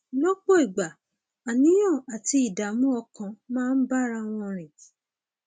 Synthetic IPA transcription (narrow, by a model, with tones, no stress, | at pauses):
lo˦k͡po˦i˨ɡ͡ba˨ | a˨nĩ˦j̃ã˦˨a˨ti˧i˨da˨mũ˦ɔ˧kã˧mãː˦˧n̩˦ba˦˨ɾa˧w̃ɔ̃˧ɾ̃ĩ˨